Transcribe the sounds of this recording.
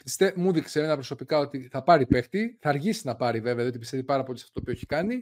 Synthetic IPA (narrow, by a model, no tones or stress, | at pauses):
pist̪emuðikseenɐpɾo̞so̞pikɐo̞t̪iθɐpɐɾipeft̪iθɐːɾʝisinɐpɐɾive̞veɐðijot̪ipist̪evipɐɾɐpo̞lisɐ̥ft̪ot̪opioçikɐni